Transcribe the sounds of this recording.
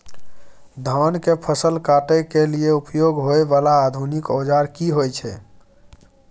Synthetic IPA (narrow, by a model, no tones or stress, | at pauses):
d̪ʱənkepʰəsəlkaʈekelieupjoɡɦoebalaːd̪ʱunikod͡ʒaɾkiɦojt͡ʃʰɛ̰